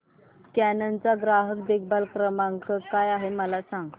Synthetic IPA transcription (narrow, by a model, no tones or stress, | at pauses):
kænənt͡saɡɾaɦək̚d̪ek̚balkɾəmaŋkəkajaɦeməlasaŋɡ